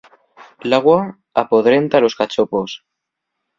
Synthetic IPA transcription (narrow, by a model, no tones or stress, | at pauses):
laɣwa | apoðɾent̪alo̞skat͡ʃopos